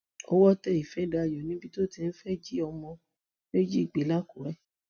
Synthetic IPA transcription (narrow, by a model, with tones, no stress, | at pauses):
o˦wɔ˦tɛ˧˦i˨fɛ˨˦da˧˨jɔ˨nĩ˦bi˧to˦˨ti˧n̩˦fɛ˦d͡ʒi˦ɔ˧mɔ̃˧ | me˦d͡ʒi˦i˨ɡ͡be˨˦la˦ku˨ɾɛ˦